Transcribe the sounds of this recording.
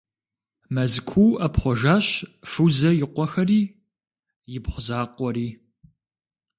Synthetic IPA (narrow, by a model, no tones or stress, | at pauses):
mɐzkʷʰuwɐpχʷɔʒaːɕfɨzɐjɪqʷɔxɐriː | jɪpχʷʊzaːqʷɔɾiː